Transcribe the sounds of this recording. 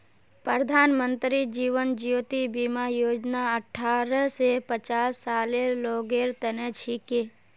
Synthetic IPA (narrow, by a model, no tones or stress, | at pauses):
pɾəɾəd̪ʱaːnmə̃nt̪ɾid͡ʒiːʋənd͡ʒjoːt̪ibimajoːd͡ʒnaəʈʰːaːɾəsepət͡ʃaːsːaːleɾloːɡeɾt̪ənət͡ʃʰike